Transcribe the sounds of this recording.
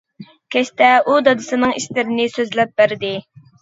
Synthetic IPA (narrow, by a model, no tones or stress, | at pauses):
kʲɛʃt̪ɛud̪ɑd̪ɨsɨnɨŋiʃlɪɾɪnɪsøzlɛp̚bæɾd̪ɪ